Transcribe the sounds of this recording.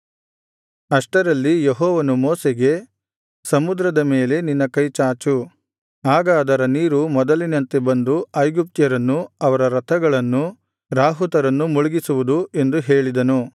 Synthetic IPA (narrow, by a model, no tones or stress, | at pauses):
ɐʂʈɐɾɐlːijeɦɔːʋɐnumɔːseɡe̞ | sɐmud̪ɾɐd̪ɐmeːle̞ninːɐkɐjt͡ʃaːt͡ʃu | aːɡɐːd̪ɐɾɐniːɾumɔd̪ɐlinɐnt̪ebɐnd̪uɐjɡup̚t̪jɐɾɐnːuɐʋɐɾɐɾɐt̪ʰɐɡɐɭɐnːu | ɾaːɦut̪ɐɾɐnːumuɭuɡisuʋud̪ue̞nd̪uɦeːɭid̪ɐnu